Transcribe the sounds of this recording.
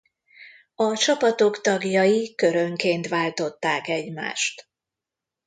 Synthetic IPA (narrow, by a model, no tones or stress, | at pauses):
ɒt͡ʃɒpɒt̪o̞kt̪ɒɡjɒjikø̞ɾøŋkeːnt̪ʋaːlt̪o̞t̪ːaːkɛɟma̰ːʃt̪